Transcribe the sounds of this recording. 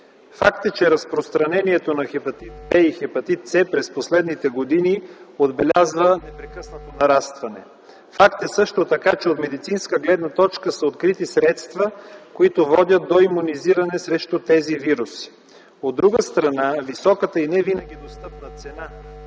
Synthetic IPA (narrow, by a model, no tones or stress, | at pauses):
fakt̪ət͡ʃɛɾɐspɾost̪ɾɐnɛniɛt̪onɐxɛpɐt̪it̪̚bɛixɛpɐt̪it̪t̪sɛpɾɛsposlɛd̪nit̪ɛɡod̪iniod̪bɛlʲazvənɛpɾɛkɤsnət̪onɐɾast̪vɐnɛ̰ | fakt̪ɛsɤʃt̪ot̪ɐkat͡ʃɛot̪mɛd̪it̪sinskəɡlɛd̪nət̪ɔt͡ʃkəsəot̪kɾit̪isɾɛt̪st̪vəkoit̪ovɔd̪ʲət̪̚d̪oimuniziɾɐnɛsɾɛʃt̪ut̪ɛziviɾusi̥ | od̪ːɾuɡəst̪ɾɐnavisɔkət̪əinɛvinəɡʲid̪ost̪ɤpnət̪sɛna